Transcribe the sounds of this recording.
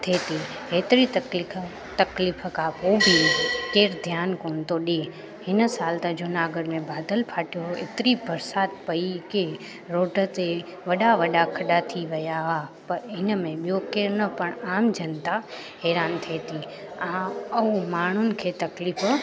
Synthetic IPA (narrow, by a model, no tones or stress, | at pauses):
t̪ʰeːt̪iɦeːt̪ɪɾit̪ɐkli | t̪ɐkliːfkʰapoːbʱikeːɾd̪ʱjaːnkoːnt̪oɗe | ɦɪnəsaːlt̪ad͡ʑʊnaːɡəɽmẽbaːd̪əlpʰaːʈijoḛt̪ɪɾibɐɾsaːt̪pɐike | ɾoːʈə̆t̪e | ʋɐɗaʋɐɗakʰɐɗat̪ʰiʋɐjaɦapɐɾɪnəmẽɓijokeːɾnɐpɐɽ̃aːmd͡ʑɐnt̪a | ɦɛːɾaːnt̪ʰeːt̪ʰi | ãːɐumaːɳ̤ʊnɪ̆kʰeːt̪ɐkliːf